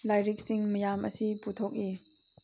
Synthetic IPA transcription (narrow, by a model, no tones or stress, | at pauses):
lajɾik̚siŋmɐjamʔɐ̰siput̪ʰɔk̚ʔi